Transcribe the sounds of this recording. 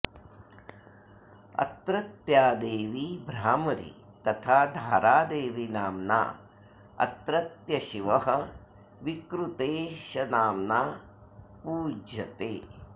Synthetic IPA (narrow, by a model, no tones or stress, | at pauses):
ɐ̰t̪ɾɐt̪jaːd̪eːʋibɾaːmɐɾḭ | t̪ɐt̪ʰaːd̪ʱaːɾaːd̪eːʋinaːmna̰ː | ɐ̰t̪ɾɐt̪jɐʃiʋɐɦɐ | ʋikɾut̪eːʃɐnaːmnaː | puːd͡ʒɐt̪eː